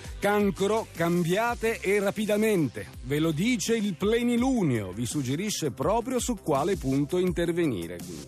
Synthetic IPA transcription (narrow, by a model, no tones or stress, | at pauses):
kaŋkoɾokambjaːt̪eʔːrːapid̪ament̪e | velod̪iːt͡ʃeilplɛniluːneo̰visud͡ʒːeɾiʃːepɾɔːpɾjosukːwaːlepunt̪oint̪ervenḭːɾḛkḭ